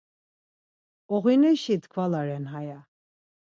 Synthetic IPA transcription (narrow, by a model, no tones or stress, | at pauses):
ɔɣinɛʃit̪ʰkʰvalaɾɛnɦaja